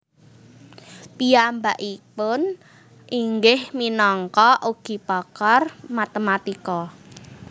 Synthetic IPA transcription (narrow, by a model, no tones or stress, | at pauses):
piambaʔipʊn | ʔiŋɡɪhminɔŋkɔʔuɡ̥i̤pɔkɔrmat̪əmat̪ikɔ